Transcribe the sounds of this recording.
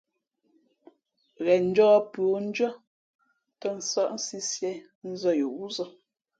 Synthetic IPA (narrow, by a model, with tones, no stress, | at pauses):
ɣɛ˨n̩˦d͡ʒɔː˦pɰo˨n̩˦d͡ʒɔ˦ | tə˦˨n̩˨sɔ˦˨ʔn̩˦si˦sjɛ˦˨ | n̩˦zɔ˦˨jo˨wu˦zɔ˦